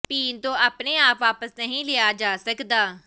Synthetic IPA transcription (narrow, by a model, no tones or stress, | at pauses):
piːnt̪õːʔaːpneːaːpʋaːpəsnəɦĩːleaːd͡ʒaːsəkd̪aː